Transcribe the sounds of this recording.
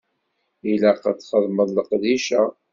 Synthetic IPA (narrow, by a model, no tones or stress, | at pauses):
ilæqət͡sːχəðˤməðˤləqd̪iʃa